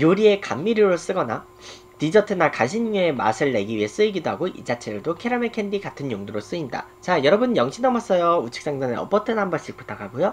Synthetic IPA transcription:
joɾie̞kamːiɾiɾoɭs͈ɯɡʌna | tid͡ʑʌtʰɯnakaɕʰinɲue̞ma̰sʰɯɭːe̞ɡiɥie̞s͈ɯiɡidoɦaɡoʔḭd͡ʑat͡ɕʰeɾɯɭdokʰe̞ɾamekʰe̞ndikatʰɯnjoŋduɾos͈ɯinda̰t͡ɕajʌɾʌbɯnjʌŋɕʰinʌmas͈ʌjout͡ɕʰi̥k̚s͈aŋdanɯʌ̰p͈ʌtʰɯnɦambʌɕ͈ipʰo̥t͈akʰaɡojo

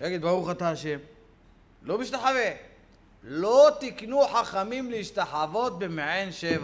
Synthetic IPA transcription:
jaɡid̪baʁuχat̪aːʃem | lobiʃt̪aħave | lot̪iknuħaχamimleiʃt̪aħavo̞t̪̚bemeʕenʃeva

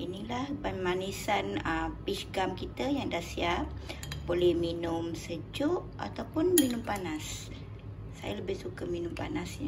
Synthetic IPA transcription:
inilahbanmanisanəpisɡamkit̪əjaŋdahsiap̚bolɛhminʊmsəd͡ʒʊʔa̰t̪awpʊnminʊmpanas | sa̰jaləbɪhsukəminʊmpa̰nasɲ

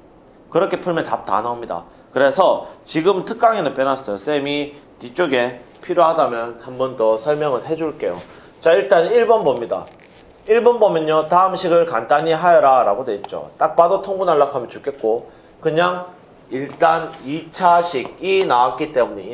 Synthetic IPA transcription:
kɯɾʌkʰe̞pʰuɭmjʌntap̚ta̰namɲida̰ | kɯɾe̞sʰʌt͡ɕiɡɯmtʰɯk̚k͈aŋinɯnp͈jenas͈ʌjos͈emitit͡ɕ͈oɡe̞ | pʰiɾjohadamjʌnhambʌndʌsʰʌɭmjʌŋɯnɦe̞d͡ʑuɭk͈e̞jo̰ | t͡ɕaiɭt͈aniɭbʌnbomɲida̰ | iɭbʌnbomjʌnotaɯmɕʰiɡɯɭkant͈aɲiɦajʌɾaɾaɡodwe̞it̚t͡ɕ͈o̰t͈ak̚p͈adotʰoŋɡunaɭːakʰamjʌnt͡ɕuk͈ʰːe̞t̚k͈o | kɯɲaŋ | iɭt͈anit͡ɕʰaɕʰiɡinawak͈it͈e̞muɲe

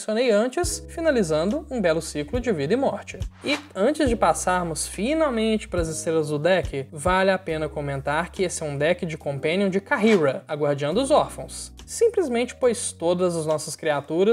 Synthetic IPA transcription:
siõnejɐ̃nt͡ʃɪsfinalizɐ̃nd̪ʊũbɛlʊsiklʊd͡ʒɪvid̪ɐɪmɔɾt͡ʃɪ̥ɪɐ̃nt͡ʃɪzd͡ʒɪpasaɾmʊsfinawmẽnt͡ʃɪ̥pɾɐzɪst̪ɾelɐzd̪ʊd̪ɛkɪvalɪapẽnɐkõmẽnt̪aɾkɪesɪɛũd̪ɛkɪd͡ʒɪkõmpẽniũd͡ʒɪkaɦiɾɐaɡwaɾd͡ʒiɐ̃nd̪ʊʊzɔɾfɐ̃w̃sː | ĩmplɪzmẽnt͡ʃɪ̥pojst̪od̪ɐzɐznɔsɐskɾiat̪uɾɐ

